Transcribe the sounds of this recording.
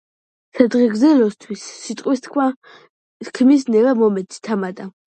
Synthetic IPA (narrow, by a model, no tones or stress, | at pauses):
sɛd̪ʁɛɡzɛlɔst̪ʰwisːit̪ʼqʼwist̪kʰa | kʰmis̬nɛvamɔmɛd̪si̥t̪ʰamad̪ʼa